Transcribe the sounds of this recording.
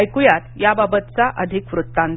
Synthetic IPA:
jkujat̪jababət̪t͡saʔəd̪ʱikʋɾut̪ːãn

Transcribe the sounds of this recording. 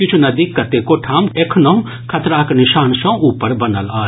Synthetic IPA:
kɪt͡ʃʰunɐd̪ikːɐt̪ekoʈʰaːmekʰnɐɦũ | kʰɐt̪ɾaːknɪʃaːnʃɐ̃uːpəɾbɐnəlaː

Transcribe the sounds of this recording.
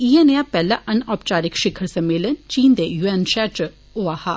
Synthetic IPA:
iːeːneaːpɛːlaʔɐnɔːp̚t͡ʃaːɾɪkʃɪkʰəɾsɐmːeːlənt͡ʃiːnd̪ejuːɛːnʃɛːt͡ʃ | oaːhaː

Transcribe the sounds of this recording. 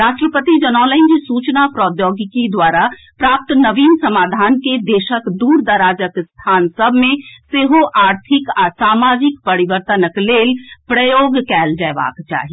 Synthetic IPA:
ɾaːʃʈɾəpət̪id͡ʒənɔːləɪ̃nd͡ʒisuːt͡ʃnapɾɔːd̪joːɡkid̪waːɾapɾaːp̚t̪nəʋiːmsɐmaːd̪ʱaːnked̪eːʃəkd̪uːɾd̪əɾaːd͡ʒəkst̪ʰaːnsəbʱmẽseːɦoʔaːɾt̪ʰɪkasaːmaːd͡ʒɪkpəɾiʋəɾt̪ənəkleːlpɾəjoːɡkɛːld͡ʒəːʋa̰ːkt͡ʃa̰ːɦi

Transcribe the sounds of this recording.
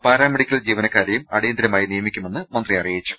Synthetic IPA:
paːɾaːmeɽikʲːɐld͡ʑiːʋɐnɐkːaːɾjɐjumɐɽejɐnd̪iɾɐmaːjinijɐmikʲːume̞nːɨmɐnd̪riɐrijit͡ɕːu̥

